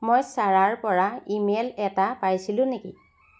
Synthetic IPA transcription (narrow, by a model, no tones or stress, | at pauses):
mojsaɹaɹpɔɹaimelɛtapajsilʊ̃nekḭ